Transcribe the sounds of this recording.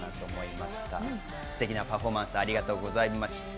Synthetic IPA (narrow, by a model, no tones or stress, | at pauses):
nat̪o̞ːmo̞imaɕi̥t̪a̰ | sɨ̥t̪e̞kʲinapaɸo̞mãsɨaɾʲiɡat̪o̞ːɡo̞zaimaɕi̥